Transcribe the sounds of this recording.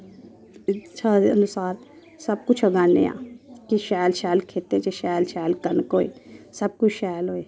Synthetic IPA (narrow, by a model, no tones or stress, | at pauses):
ɪt͡ʃʰaənʊsaːɾ | səb̚kʊt͡ʃʰəɡanḛa̰ːkiʃɛːjlʃɛːlkʰeːt̪et͡ʃeʃɛːlʃɛːlkənkoːḛːsəb̚kʊt͡ʃʰʃɛːjlɦoːeː